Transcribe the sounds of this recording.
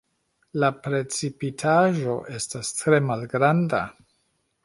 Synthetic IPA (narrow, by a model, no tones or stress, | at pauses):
lapɾe̞t͡sipitʰaʒo̞ʔe̞stastɾe̞malɡɾanda̰